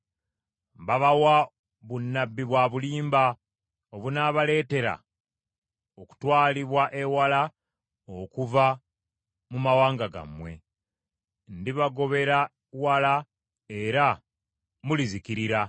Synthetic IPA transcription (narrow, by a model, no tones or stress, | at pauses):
mbaβawa | βunːabːiβwaːβuliːmba | oβunaːβale̞ːte̞ɾa̰ | oku̥twaːliβwaʔewala | okuva | mumawaːŋɡaɡa̰mːwe̞̰ | ndiβaɡo̞βe̞ɾa | wala | e̞ɾa | mulizikiɾiɾa